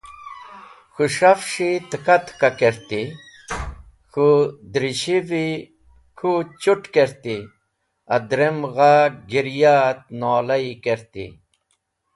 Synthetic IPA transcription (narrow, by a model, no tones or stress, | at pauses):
xuʂɐfʂit̪əkɐt̪kakeɾt̪i | xud̪ɾiɕivi | kʰut͡ɕuʈkeɾt̪i | ɐd̪ɾemɣaɡiɾjaːt̪̚noːlɐikeɾt̪ḭ